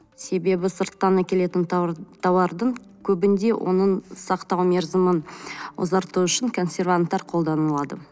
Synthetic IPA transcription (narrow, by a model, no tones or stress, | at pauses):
se̞be̞bɪsəɾt̪ːɑnɑkʲʰe̞le̞t̪ɪnt̪ʰɑwɑɾd̪əɴ | kʲʰɵbɪnd̪e̞wʔo̞̰nəɴsɑqt̪ɑwmʲe̞ɾzəmənwo̰zɑɾt̪uʏʃɪŋkʰo̞nsʲe̞ɾvant̪ːɑɾqʰo̞lˠd̪ɑnəlˠɑd̪ə